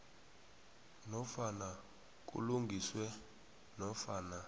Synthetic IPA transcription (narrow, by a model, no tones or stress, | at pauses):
nɔfana | k̬ʼṵluŋɡʱiswɛ | nɔfaːna